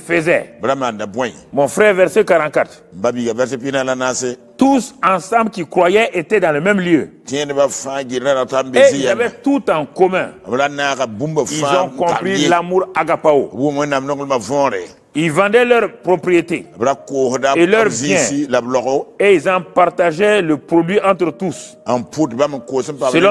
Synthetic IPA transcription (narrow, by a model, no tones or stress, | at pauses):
ifəzɛ̰bɨɾamandabãimɔ̃fɾɛːɾvɛɾsekaɾãkat | m̩babikavɛɾs̬epinalanasɪ | tusãsãmblkikɾwajɛʔetɛdãləmɛmløtĩɛnɪbafãːɡinɾaɾatam̩beziijabɛtutãkomɛ̃abɛɾanaːkabũmbaifaz̃zɔ̃kkɔ̃pɾilamuɾaɡapao̰bumɛ̃namnɔŋlmavɔ̃ɾɪ̰ | ilvãdɛlœɾpɾopɾietḛabɛɾakoːhʊdaeløɾbzĩɛ̃ilablɔkoeilzãpaɾtaʒɛləpɾodwiʔãt̪ɾətus | ãmputbamikosɨmpaelɔ̃